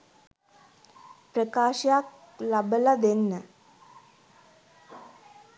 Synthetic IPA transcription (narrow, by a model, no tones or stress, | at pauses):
pɾəkaːʃjak̚ | labəlad̪enːə